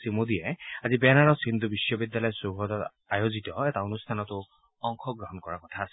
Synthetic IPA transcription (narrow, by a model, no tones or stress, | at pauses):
simodijɛazibɛnaɹɔsind̪ʱubisjɔbidjalɔjɔsuɦɔdɔt | ajozitɔɛtaonustʰanɔtʊ | ɔŋkʰɔɡɹɔɦɔnkɔɹakɔtʰaːsɛ